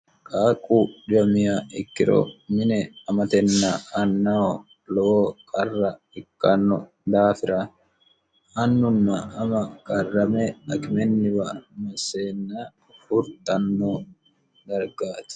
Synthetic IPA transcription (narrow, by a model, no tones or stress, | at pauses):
kʼaːkʼːuːᶑɪjɐmɪjaɪkːɪɾo̰mɪnɛɐmɐt̪ɛnːɐɐnːɐ | lɔoːkʼɐrːɐ | ɪkːɐnːɔ | d̪aːfɪɾɐ | ɐnːʊnːɐɐmɐkʼɐrːɐmɛɐkɪmɛnːɪbɐmɐseːnːa | fʊɾt̪ɐnːoː | d̪ɐɾɡaːt̪ɪ̥